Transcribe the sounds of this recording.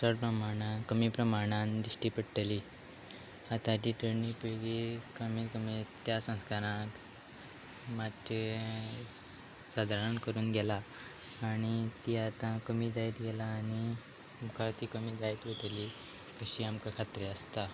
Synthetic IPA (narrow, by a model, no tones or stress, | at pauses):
səɾpɾəmaɽ̃ãkəmiːpɾəmaɽ̃and̪ɾiʂʈiːpəɽʈəli | at̪ãd͡ʑiːʈəɾnipiɭɡekəmiːɾkəmit̪jasə̃w̃skaɾãk | mat̪ɾe | sad̪ʱaɾənkəɾuːnɡʱɛlaː | ɽ̃it̪iat̪ãkəmiːd̪ajt̪ɡɛlaːɽ̃i | mukʰaɾt̪iːkəmiːd̪ait̪ʋot̪li | kəɕiːamkakʰat̪ɾeəst̪a